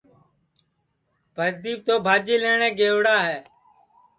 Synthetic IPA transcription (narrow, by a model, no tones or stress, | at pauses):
bʱəɾd̪iːb̚t̪oːbʱaːd͡ʒiːleːɳẽːɡeːʋɽaːɦɛː